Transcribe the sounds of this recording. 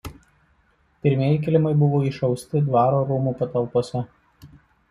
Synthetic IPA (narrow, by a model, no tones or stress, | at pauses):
pʲɪɾʲmʲeɛjɪkʲɪlʲɪmɐɪbʊʋoːɪʃɐʊsʲt̪ʲɪd̪ʋɑːɾoːɾumuːpɐt̪ɐlˠˑpoːsʲɛ